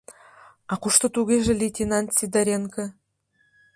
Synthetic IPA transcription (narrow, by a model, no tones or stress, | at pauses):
ɑquʃt̪ɤ̆t̪uɣʲeʒɘ̆lʲet̪ʲinant̪sʲid̪aɾʲeŋkɘ̆